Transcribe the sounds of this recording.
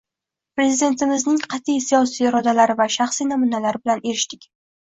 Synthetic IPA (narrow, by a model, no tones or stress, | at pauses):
pɾe̞zid̪e̞nt̪ʰɪmɪznɪŋqʰɑt̪ʰijsijɒsijɾɒd̪alaɾɪvaʃaχsinamʊnalaɾɪbɪlane̞ɾɪʃt̪ɪkʲ